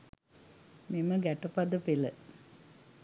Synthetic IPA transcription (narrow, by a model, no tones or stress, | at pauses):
miməɡæʈəpɐd̪əpilə